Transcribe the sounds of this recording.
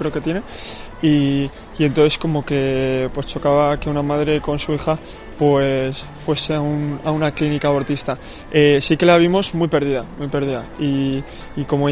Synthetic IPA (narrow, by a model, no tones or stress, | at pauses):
kɾe̞oke̞t̪je̞ne̞i | ie̞nt̪oθe̞sko̞mo̞ke̞pwe̞st͡ʃo̞kaβake̞unamaðɾe̞ko̞nsuixa | pwes | fwe̞se̞aunaunaklinikaβo̞ɾt̪ist̪a | esike̞laβ̞imo̞zmwipe̞ɾð̞iðamwujpe̞ɾð̞iðaiː | ko̞mo